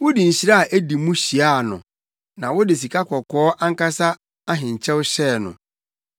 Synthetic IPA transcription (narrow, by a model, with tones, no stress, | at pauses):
wʊ˦di˨ɲ̩˨ɕi˦ɾa˦a˨ʔæ˦di˨mũ˦ɕi˨a˦˨nʊ̰̃˨ | nã˨wʊ˦dɪ˨s̬i˨kʰa˦kʰɔ˨kʰɔː˦ʔã˦ŋ˦ka˦sa˦ | a˦ɦɪ̃˨ɲ̩˨t͡ɕʰɛ˦wɕɛː˦˨nʊ̰̃˨